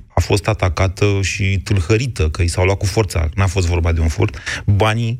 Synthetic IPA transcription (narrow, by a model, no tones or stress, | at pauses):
afost̪at̪akat̪əʃit̪ulhəɾit̪əkəisawlwat̪̚kufo̞rt̪sa̰nafo̞s̬t̪vo̞rbat̪d̪e̞unfṵrt̪bani